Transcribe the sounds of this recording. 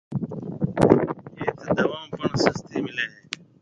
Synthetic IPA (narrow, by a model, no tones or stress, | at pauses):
ɦeːt̪d̪əʋãːmpəɳsəst̪iːmɪlẽːɦeː